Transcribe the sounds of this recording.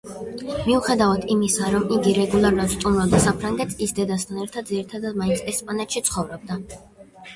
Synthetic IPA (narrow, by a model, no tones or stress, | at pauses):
miuχɛd̪avad̪ʰimisaɾɔmiɡiɾɛɡulˠaɾuat̪st̪ʼumɾabd̪asapʰɾaŋɡɛt̪ʰisd̪ɛd̪ast̪ʰanɛɾt̪ʰad̪̚ziɾit̪ʰad̪ad̪̚maint̪sʰɛspʼanɛt̪ʰʃit̪sʰχɔvɾɔb̚d̪a